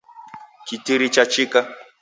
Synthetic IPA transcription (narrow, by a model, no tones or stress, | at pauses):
kitiɾit͡ʃat͡ʃika